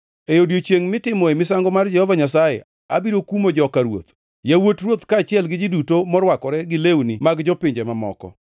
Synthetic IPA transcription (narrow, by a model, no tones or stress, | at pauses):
ejodjot͡ʃeŋmɪtɪmɔemɪsaŋɡɔmard͡ʒɛhɔvaɲasajɛ̰ | abiɾokumod͡ʒɔkaɾwo̰t̪ | jawotrwot̪kaːt͡ʃɪɛlɡɪd͡ʒɪdutomɔɾwakɔɾɛɡɪlewnimaɡd͡ʒɔpɪɲd͡ʒemamɔ̰kɔ̰